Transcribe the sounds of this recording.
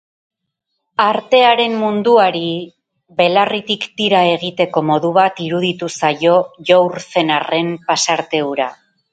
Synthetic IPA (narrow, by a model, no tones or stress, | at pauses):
aɾt̪e̞aɾe̞mːund̪uaɾi | βe̞larit̪ikd̪iɾae̞ɣ̞it̪e̞ko̞mo̞ðuβ̞at̪iɾuðit̪usajo̞ʝowɾse̞nare̞mpasaɾt̪e̞uɾa